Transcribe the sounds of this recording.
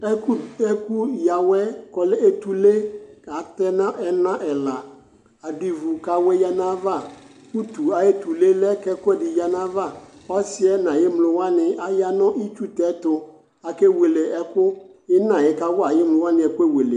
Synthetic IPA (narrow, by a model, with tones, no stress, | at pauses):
ɛ˦ku˦ɛ˦ku˦ja˨wɛ˦kɔ˨lɛ˦e˦t̪u˨le˦ka˨˦tɛ˦nã˦ʔɛ˨nã˦ʔɛ˨la˨ | a˨di˨vu˨ka˨wɛ˦ja˦nã˦va˦˨ | ku˦t̪u˨a˨e˦t̪u˨le˦lɛ˦kɛ˦kʊ˦ɛ˦˨dɪ˨ja˨nã˦va˦˨ɔ˦sɪ˦ɛ˦nã˨jɪ˦mlʊ˨wa˦nɪ̃˨a˨ja˦nɔ̃˦ʔi˦t͡ʃu˦t̪ɛ˨˦t̪ʊ˨ | a˨kɛ˦we˨le˨ɛ˦kʊ˦jɪ˦nã˨jɪ˨ka˦wʊ˦a˨jɪ˦mlʊ˨˦wa˦nɪ̃˨ɛ˨kʊ˦ɛ˦we˨le˨